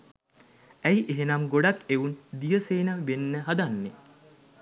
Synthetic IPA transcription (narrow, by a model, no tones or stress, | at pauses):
æjʔeɦenamɡoɖakeund̪ijəseːnəʋenːəɦad̪anːe